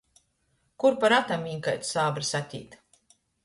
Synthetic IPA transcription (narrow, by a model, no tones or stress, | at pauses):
kuɾpaɾat̪amːiɲkajt̪saːbɾisat̪ʲḭːt̪